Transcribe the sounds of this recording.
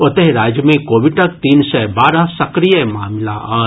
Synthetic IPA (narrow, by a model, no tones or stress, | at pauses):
ʊt̪eɦɾaːd͡ʒjəmẽkoːʋɪʈʈɐkt̪iːnsɛbaːɾasɐkɾijəmaːmɪlaʔaː